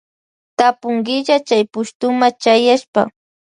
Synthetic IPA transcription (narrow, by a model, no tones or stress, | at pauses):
t̪apʊŋɡɪʎat͡ʃajpʊʃt̪ʊmat͡ʃajaʃpa̰